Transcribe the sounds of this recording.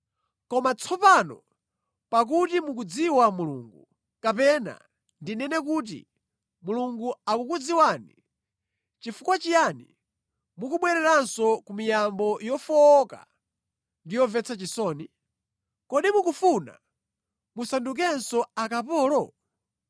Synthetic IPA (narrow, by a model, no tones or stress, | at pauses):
kɔmat͡sʰɔpanɔ̰ | pak̬utimuk̬ud͡ziwamulṵːŋɡu | kapɛna̰ | ndinɛnɛk̬uːt̬ḭ | muluŋɡuakukud͡ziwani | t͡ʃifukwat͡ʃijanḭ | mukuɓwɛɾɛɾansɔkumijambɔjɔfɔːka̰ | ndijɔvɛt͡sʰat͡ʃisɔːni | kɔɗimukufuna̰ | musanduk̬ɛnsɔakap̬ɔːlɔ